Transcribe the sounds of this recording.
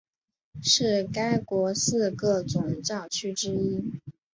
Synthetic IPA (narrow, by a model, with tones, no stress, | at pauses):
ʂɻ̩˥˩ka˥ɪkwɔ˧˥sɹ̩˥˧kɤ˥˩t͡sʊ˨˩ŋt͡ɕɑ˥˩ʊt͡ɕʰy˥ʈ͡ʂɻ̩˥i˥